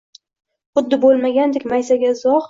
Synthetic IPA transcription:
χʊd̪ːɪbolˠmaɡʲand̪ekʲmajsaɡʲaɪzɒχ

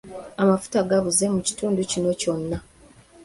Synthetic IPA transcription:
amafu̥taɡaβuze̞muci̥tuːnducino̞co̞nːa

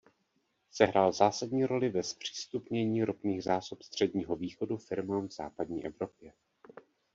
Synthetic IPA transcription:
sɛɦɾʔaːlzaːsadɲiːɾo̞lɪvɛspr̝̥i̥ːst̪upɲɛɲiːɾʔopniːɣzaːsopst̪r̝̥ɛdɲiːɦo̞viːxo̞dufɪɾmamvz̥a̰ːpadɲiːʔɛvɾo̞pjɛ

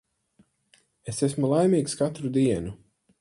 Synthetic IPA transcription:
esesmulˠajmiːkskat̪ɾud̪iɛnu

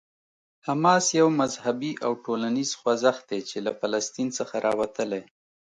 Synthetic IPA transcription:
hamɑsjawmazhabiʔawʈolaniz̥xwazaxd̪et͡ʃelafalast̪insəxaɾɑwat̪əlaj

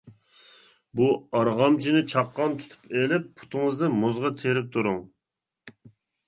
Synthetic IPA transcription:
buɑɾʁɑmt͡ʃʰinɪt͡ʃʰɑqːɑnt̪ʰu̥t̪ʰu̥pʰelɪpːʰu̥t̪ʰɨŋəznɨmozʁɑt̪ʰeɾɪp̚t̪ʰuɾuŋ

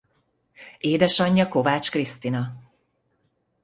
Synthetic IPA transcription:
eːd̪ɛʃɒɲːɒko̞vaːt͡ʃkrist̪inɒ

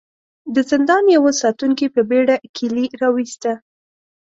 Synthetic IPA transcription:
d̪əzɪnd̪ɑnjawəsɑt̪uŋkipəbeɽakʰiliɾɑwist̪a

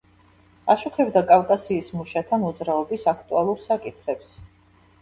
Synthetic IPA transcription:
aʃuχɛbd̪akʼafkʼasiːsmuʃat̪ʰanɔd̪zɾaɔbisakʰt̪ʼualˠuɾsakʼit̪ʰχɛps

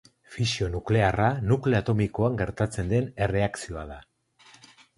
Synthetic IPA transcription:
fisio̞nukle̞aranukle̞at̪o̞miko̞aŋɡe̞ɾt̪at͡se̞nd̪e̞ne̞re̞aksio̞aða

